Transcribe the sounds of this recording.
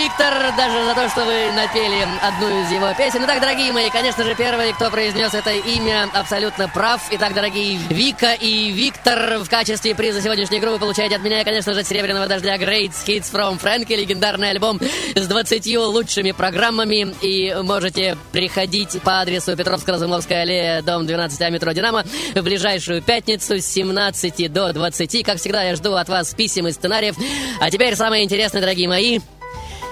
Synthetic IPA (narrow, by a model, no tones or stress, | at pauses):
ik̚t̪ərd̪aʐɨzɐt̪o̞ʂt̪ovɨnɐpʲelʲɪɐd̪nujʊɪzjɪvo̞pʲesʲɪnʊt̪aɡ̚d̪əɾɐɡʲijəmɐjikɐnʲe̞ʂnəʐɨpʲe̞rvɨjəkt̪o̞pɾəɪzʲnʲo̞sɛt̪əimʲəɐpsɐlʲut̪nəpɾafɪt̪ak̚d̪əɾɐɡʲijvʲikəʔivʲikt̪ərfkat͡ɕɪst̪vʲɪpɾʲizəsʲɪvodʲnʲɪʂʲnʲɪjəɡɾupːɨpəlˠʊt͡ɕæjɪtʲɪɐt̪mʲɪnʲaɪkɐnʲe̞ʂnəʐɨɐt̪sʲɪɾʲebɾʲɪnəvəd̪ɐʐdʲaɡrejt̪sxʲit̪sfɾomfɾankʲɪlʲɪɡʲɪnd̪arnɨjɐlʲbo̞mzd̪vət̪sɨtʲjulˠuʂɨmʲɪpɾɐɡramːəmʲɪimo̞ʐɨtʲɪpɾʲɪxɐdʲitʲpɐad̪ɾʲɪsʊpʲɪt̪ɾo̞fskəɾəzʊmofskəjəɐlʲejəd̪o̞md̪vʲɪnat̪sɨtʲɐmʲɪt̪ɾodʲɪnaməvblʲɪʐajʂʊjʊpʲætʲnʲɪt̪sʊsʲːɪmnat̪sɨtʲɪd̪o̞d̪vət̪sɨtʲikakfsʲɪɡd̪ajaʐd̪uɐt̪vaspʲisʲɪmɨst̪sɨnaɾʲɪjəfɐtʲɪpʲeɾʲsamɨjəɪnʲtʲɪɾʲe̞snəd̪əɾɐɡʲijəmɐi